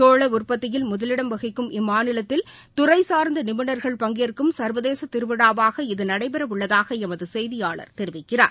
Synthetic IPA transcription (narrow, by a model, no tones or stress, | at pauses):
oːɭɐʊrpɐt̪ːɪjɪlmʊðɐlɪɽɐmʋɐɣɪkːɯmʔɪmːaːnɪlɐt̪ːɪl | t̪ʊrɐɪsaːɾnd̪ɐnɪmɪɳɐɾɣɐɭpɐŋɡeɾkːɯmsɐɾʋɐðeːsɐt̪ɪɾɯʋɪɽaːʋaːɣɐɪðɯnɐɽɐɪpɛɾɐʋɯɭːɐðaːɣɐɛmɐðɯsɛjðɪjaːɭɐ̰ɾt̪ɛɾɪʋɪkːɪra̰ːɾ